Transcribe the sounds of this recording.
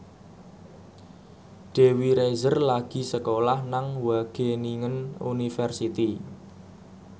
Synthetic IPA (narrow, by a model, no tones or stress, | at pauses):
ɖ̥e̤wiɾezərlaɡ̥i̤səkolahnaŋwaɡ̥e̤niŋənṵnifɛrsit̪i